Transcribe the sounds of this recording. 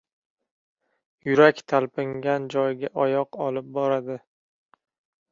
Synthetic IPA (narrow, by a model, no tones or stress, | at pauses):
jʊɾakʲt̪ʰalpɪŋɡʲand͡ʒɒjɡʲaʔɒjɒqɒlɪp̚bɒɾad̪ɪ